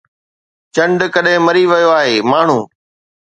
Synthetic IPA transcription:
t͡ɕɐ̃ɳɖkɐɗɦɪ̃mɐɾiʋɐjoaːɦeːmaːɳ̤ũː

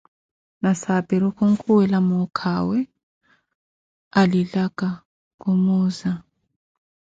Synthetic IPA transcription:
nasabɛɾukʰuŋkʰuwɛlamɔkʰawɛ | aliɮaɡ̥a | kʼumuːza

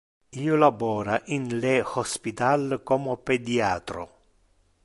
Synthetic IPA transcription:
iːolabɔːɾaʔinlehɔspit̪alkɔmoped̪iaːt̪ɾo̰

